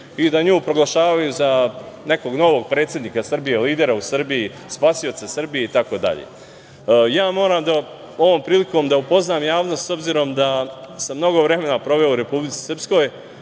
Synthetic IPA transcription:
id̪aɲuːpɾo̞ɡlˠaʃaːʋajuza | ne̞ko̞ɡno̞ʋo̞ɡ̚pɾe̞ːt̪sʲjed̪niːkasr̩bije̞liːd̪e̞ɾausr̩biji | spasio̞t̪sesrbijeit̪ako̞d̪a̰ʎḛ | jaːmo̞ːɾaːmd̪a | o̞ʋo̞ːmpɾiːliko̞ːmd̪aupo̞znaːmjaːʋno̞st̪so̞bziɾo̞md̪asamːno̞ɡo̞ʋɾe̞me̞napɾo̞ʋe̞ouɾe̞publit̪i̥srpsko̞ːj

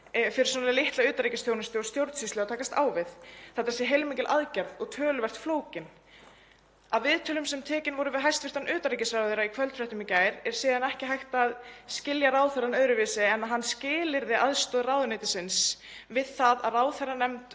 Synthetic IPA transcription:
fɪɾɪ̥ɾ̥sɔnalɪlɪht̪laʏːt̪aɾijcɪsθjownɪst̪ɪɔst̪jowɾt̪sist̪lɛat̪ʰaːkast̪aːwvɪðθɛt̪ːḁsjɛɦejlmiːcɪlʔaðcaɾðɔɣt̪ʰœːlʏvɛr̥t̪floːwcɪn | avɪðt̪ʰœːlʏmsɛmt̪ʰɛːcɪnvɔɾʏvɪðɦajst̪vɪ̥r̥t̪anʔʏːt̪aɾicɪsvɾavðʏɾaikʰvœlt̪fɾɛht̪ʏmicaːjɾɛɾ̥siːðanɛhcɪɦajht̪aːðscɪljaɾaːwθɛrːanœɥɾʏvɪːsɪɛnːaɦanːscɪːlɪɾðɪʔaðst̪ɔːðraːwðʏnɪjt̪ɪsɪns | vɪðθaðaðraːwθɛrːanɛmt̪

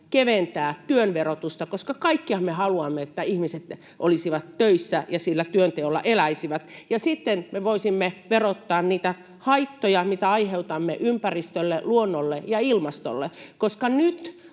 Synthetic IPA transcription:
keʋent̪æːt̪yønʋerot̪ust̪ɑkoskɑkɑikːiɑmehɑluɑmːeet̪ːæihmiset̪ | ʔo̰lisiʋɑt̪tøisːæjɑsilːæt̪yønt̪eolːɑ̰ʔelæisiʋæt̪jɑsit̪ːenmeʋoisimːeʋerot̪ːɑːnniːt̪æ | hɑit̪ːojɑmit̪æɑiheut̪ɑmːḛʔympærist̪ølːeluonːolːejɑilmɑst̪o̰lːekoskɑnyt̪

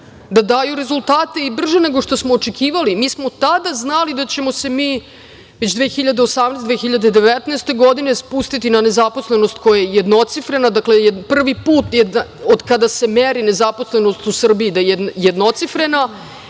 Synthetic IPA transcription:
d̪ad̪aːjuɾe̞zulˠt̪aːt̪e̞ibr̩ʒeneɡo̞ʂt̪o̞smoːt͡ʃekʰiːʋalimiːsmo̞t̪ad̪aznalid̪at͡ɕe̞mo̞se̞miː | ʋet͡ɕd̪ʋexiʎad̪eosamnesd̪ʋexiʎad̪e̞d̪eʋet̪neːst̪e̞ɡo̞d̪inespust̪it̪inanezaposlenost̪kojajejed̪no̞t̪sifɾe̞nad̪aklejepr̩ʋipuːt̪jed̪aod̪kad̪asemeɾine̞zapo̞sle̞nost̪usr̩biid̪ajjed̪no̞t̪sifɾe̞na

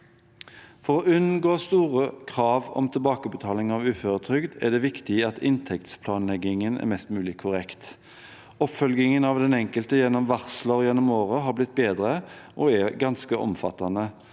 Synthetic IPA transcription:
fɔʁoːʉnn̩ɡoːst̪uːʁəkʰʁɑːʋɔ̰mt̪ʰɪlbɑːkəbət̪ʰɑːlɪŋɑʋʉːføːʁət̪ʰʁʏɡd̪ɛ̰d̪ɛːʋɪkt̪ɪɑt̪ʰɪnt̪ʰɛkt̪spʰlɑːnlɛɡɪŋənɛ̰mɛst̪mʉːlɪkʰːʊʁɛkt̪ | ɔpfœlɡɪŋənɑʋd̪ɛnɛŋkəlt̪əjɛnːɔmʋæʁsləʁjɛnːɔmoːʁəɦɑːblɪt̪̚beːd̪ʁəʔoɛɡɑnskəʔɔ̰mfɑ̰t̪ɑnə

